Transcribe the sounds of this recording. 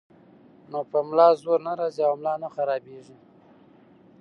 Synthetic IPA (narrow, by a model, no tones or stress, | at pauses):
nopəmlɑzoɾnaɾɑziawmlɑnaxaɾɑbeʐi